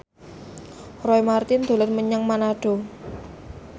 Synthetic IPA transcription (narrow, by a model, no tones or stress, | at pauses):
rɔjmart̪ɪnd̪̥o̤lərməɲaŋmanaɖ̥o̤